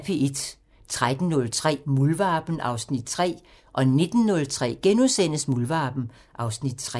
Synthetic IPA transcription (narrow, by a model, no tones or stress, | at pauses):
pʰiʔed̥ | t͡sʰʁad̥n̩nɔ̽lt͡sʰʁɛ̰ːmulʋɑ̈ːb̥n̩ɑ̈ʊsnid̥̚t͡sʰʁɛ̰ː | ʔɒ̽ne̝d̥n̩ːɔ̽lt͡sʰʁɛ̰ːɡ̥enusen̰əsmulʋɑ̈ːb̥n̩ | ʔɑ̈ʊsnid̥̚t͡sʰʁɛ